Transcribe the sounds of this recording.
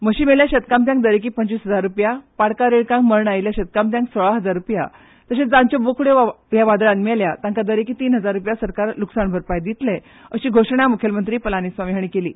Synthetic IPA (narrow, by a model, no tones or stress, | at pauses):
məɕiːmeɭjaɕət̪kamt̪jaŋkd̪əɾek̬iːpəɲt͡ɕiːsɦəd͡zaɾːupjapaɽkaɾeɽkãŋkməɾɳajljaɕət̪̚kamt̪̬jãŋksoɭaɦəd͡zaɾːupja̰ | t̪əɕed͡zãɲt͡ɕɔbokʰuɽejaʋad̪ɭanmaljat̪ãŋkad̪əɾekiːt̪iːnɦəd͡zaɾːupjasəɾkaɾluksaɳbʱəɾpajd̪it̪le | əɕiːɡʱoʂɳ̃jamukʰjəlmənt̪ɾiːpəlanisʋamiɦaɽ̃ikelḭː